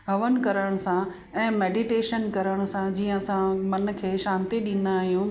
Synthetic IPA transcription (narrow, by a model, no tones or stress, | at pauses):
ɦɐʋən̆kɐɾəɽ̃sã | ɛ̃ːmeːɖiʈeːʃənkɐɾəɽ̃ʊ̆sãd͡ʑiːə̃ɐsãmɐn̆kʰeːʃaːnt̪iɗɪ̃n̆d̪aːɦijũ